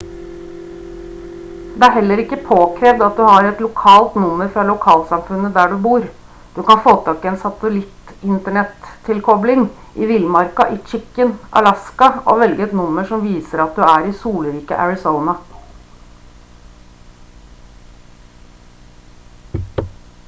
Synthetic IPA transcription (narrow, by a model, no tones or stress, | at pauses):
d̪ɛæɾɦɛlːəɾɪkːəpʰoːkʰɾeːʋd̪ɑt̪̚d̪ʉhɑɾɛt̪lʊkʰɑːlt̪nʊmːəɾfɾɑlʊkʰɑːlsɑmfʉnːəd̪æːɖʉbuːɾ | d̪̥ʉkɑnfoːt̪ʰɑːkːɪɛːnsɑt̪əlɪt̪ | ɪnt̪əɳɛt̪ʰːɪlkʰɔblɪŋ | ʔɪʋɪlmɑɾkɑʔɪt͡ʃɪkːənʔɑ̰lɑskɑʔo̰ʋɛlɡəɛt̪nʊmːəʂɔmʋiːsəɾɑt̪̚d̪ʉæːɾɪsuːlɾiːkə̰ʔæɹɪsoʊnɑ